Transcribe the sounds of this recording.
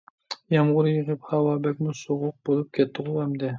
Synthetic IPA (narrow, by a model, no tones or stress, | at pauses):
jɛmʁʊɾjəʁɨphɑwɑːbɛk̚ʲmusoʁʊq̚bolˠup̚kʲʰɛt̪ʰːɨʁʊɛmd̪ɪ